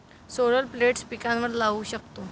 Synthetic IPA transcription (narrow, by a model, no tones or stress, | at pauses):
soɽəlpleʈspikãnʋəɾlaʋuːɕək̚t̪o